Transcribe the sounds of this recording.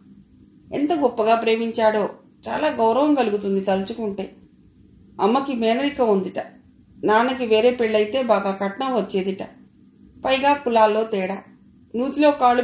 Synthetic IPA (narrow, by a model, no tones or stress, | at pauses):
ḛnt̪ɐɡɔpːɐɡaːpɾe̞ːmiɲt͡ʃaːɽo̞ː | t͡ʃa̰ːlaːɡɐwɾɐʋɐŋɡɐluɡut̪und̪it̪ɐlt͡ʃukuɳʈeː | ɐmːɐkimɛːnɐɾikɐund̪iʈɐ | naːnɐk̬iʋe̞ːɾe̞ːpiɭːɐjt̪e̞ːbaːɡaːkɐʈɳɐʋɐt͡ʃːe̞ːd̪iʈɐ | pɐjɡaːkulaːlːo̞ːt̪ɛːɽaː | nuːt̪ilo̞ːkaːlu